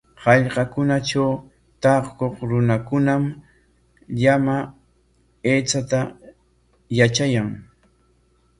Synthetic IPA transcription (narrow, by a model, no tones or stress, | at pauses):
hɑʎqɑkʊnaʈ͡ʂaw | t̪ɑχkoχɾʊnakʊnam | ʎama | eːt͡sat̪a | jat͡ʃajaŋ